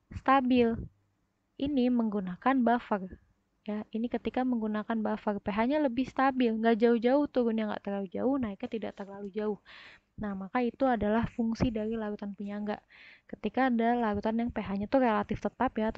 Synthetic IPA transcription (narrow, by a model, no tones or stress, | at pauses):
st̪abɪl | ʔiniməŋɡunakanbafar | jainikət̪ikaməŋɡunakanbafərpeɦaɲaləbɪhst̪abɪlŋɡaʔd͡ʒaʊhd͡ʒaʊht̪uɾʊnjaŋɡa̰ʔt̪ərlalud͡ʒaʊhnaik̚ɲat̪idaʔt̪ərlalud͡ʒaʊh | nahmakait̪uadalahfuŋsidaɾilaɾut̪anpuɲaŋɡakət̪ikaːdalaɾut̪anjaŋpeɦaɲat̪uhrelat̪ɪft̪ət̪apja